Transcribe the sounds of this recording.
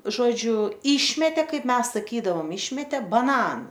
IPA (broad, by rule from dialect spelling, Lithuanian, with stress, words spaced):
ʒoːˈd͡ʒʲʊ ˈiːʃʲmʲɛtʲeː ˈkɐɪp ˈmʲɛs sɐˈkʲiːdɐʋoːm ˈɪʃʲmʲɛtʲeː bɐˈnɑːnʊ